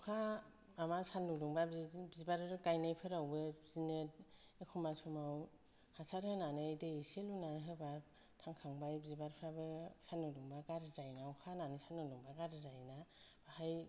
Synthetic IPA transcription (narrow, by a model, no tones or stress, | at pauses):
kʰaː | masanːuluŋbabbizibaɾɡajnajpʰɯɾawbɯzinɯt | ekʰumasɔmaw | hasaɾhɯnanɯdeiselunanɦɯbaɾ | tʰaŋkʰaŋbajbizibaɾpʰɾabɯsanuduŋbaɡaɾzajnawkʰananɯsanuluŋbaɡaɾzajnab̥ahaj